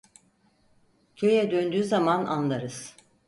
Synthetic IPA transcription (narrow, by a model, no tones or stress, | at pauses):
cʰø̞jɛd̪ønd̪yːzamana̰nlˠaɾɯz̥